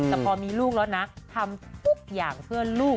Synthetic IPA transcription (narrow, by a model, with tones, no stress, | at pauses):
t̪ɛː˨˩pʰɔː˧miː˧luː˥˩k̚lɛː˦˥wna˦˥t̪ʰa˧mt̪ʰu˦˥k̚jaː˨˩ŋpʰɯ˥˩əluː˥˩